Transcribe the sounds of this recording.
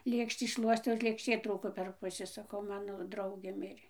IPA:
ˈlʲeːkʃʲtʲiː ˈʃlˠuɔsʲtʲɛʊ ɪr lʲeːkʃʲˈtʲeː ˈtruːkoː pʲɛr ˈpʊsʲɪ sɐˈkɐʊ ˈmɑːnoː ˈdrɐʊɡʲeː ˈmʲɪrʲeː

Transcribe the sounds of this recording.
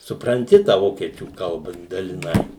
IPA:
sʊprɐnʲˈtʲɪ tɑː ˈʋoːkʲiɛt͡ʃʲuː ˈkɐlˠbɐ dɐlʲɪˈnɐɪ

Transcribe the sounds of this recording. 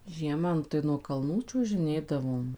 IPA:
ˈʒʲiɛmɐ ˈnʊ tɐɪ nuɔ kɐlˠˈnuː t͡ʃʲuɔʒʲɪˈnʲeːdɐʋoːm

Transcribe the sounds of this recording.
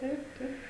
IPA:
ˈtɐɪp ˈtɐɪp

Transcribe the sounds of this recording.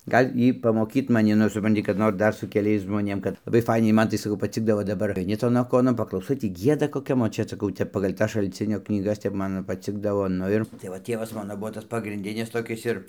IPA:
ˈɡɐlʲ ˈiː pɐmoːˈkʲiːt mɐˈnʲɪ nʊ sʊˈprɐnʲtʲɪ kɐt ˈnoːr ˈdɐr sʊ kʲɛˈlʲɛɪs ʒmoːˈnʲeːm kɐt lˠɐˈbɐɪ ˈfɐɪnʲɛɪ ˈmɐn tɐɪ sɐˈkɐʊ pɐˈt͡sʲɪɡdɐʋoː dɐˈbɐr ɐɪˈnʲɪ ˈtoːn ɐˈkoːnoːn pɐklˠɐʊˈsɐɪ ˈtʲiː ˈɡʲiɛdɐ koːˈkʲɛm oːt ˈt͡ʃʲɛ sɐˈkɐʊ ˈtʲɛp pɐɡɐlʲ ˈtɐs ʃɐlʲˈt͡sʲɪnʲoː knʲiːˈɡɐs ˈtʲɛp ˈmɐn ˈtʲɛp ˈmɐn pɐˈt͡sʲɪɡdɐʋoː ˈnʊ ɪr tɐɪ ʋɐ ˈtʲiɛʋɐs ˈmɑːnoː ˈbʊʋoː ˈtɐs pɐɡrʲɪnʲˈdʲɪnʲɪs toːˈkʲɪs ɪr

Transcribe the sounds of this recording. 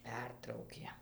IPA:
ˈpʲɛrtrɐʊkʲeː

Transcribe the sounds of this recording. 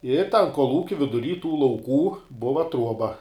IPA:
ɪ tɐn koːlˠˈuːkʲɪ ʋʲɪdʊˈrʲiː tuː lˠɐʊˈkuː ˈbʊʋɐ ˈtruɔbɐ

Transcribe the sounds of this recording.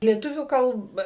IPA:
lʲiɛˈtʊʋʲuː ˈkɐlˠp

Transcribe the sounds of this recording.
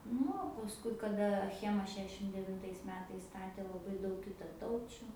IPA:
ˈnʊ oː pɐsˈkʊɪ kɐˈdɐ ɐˈxʲæːmɐ ˈʃʲæːʃʲɪm dʲɛʋʲɪnˈtɐɪs ˈmʲæːtɐɪs ˈstɑːtʲeː lˠɐˈbɐɪ ˈdɐʊk kʲɪtɐˈtɐʊt͡ʃʲʊ

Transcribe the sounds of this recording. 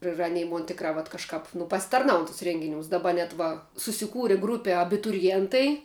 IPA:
ɪr ɐˈnʲɛɪ ˈmoːn ˈtʲɪkrɑː ʋɐt kɐʃˈkɑːp nʊ pɐsʲɪtɐrˈnɐʊn tʊs ˈrʲɛŋʲɡʲɪnʲuːs dɐˈbɐr ʋɐ sʊsʲɪˈkuːrʲɪ ˈɡruːpʲɛ ɐbʲɪtʊrʲɪˈjeːntɐɪ

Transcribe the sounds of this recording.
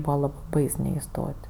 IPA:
ˈbuːʋɐ ˈlˠɐp ˈbɐɪs nʲɛɪˈstoːtʲ

